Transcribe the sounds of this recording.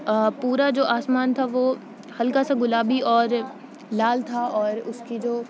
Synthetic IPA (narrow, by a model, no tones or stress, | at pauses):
puːɾad͡ʒoːʔaːsmaːnt̪ʰaʋo | hɐlkasaɡʊlaːbiʔɔːɾ | laːlt̪ʰaɔːɾʊskid͡ʒoː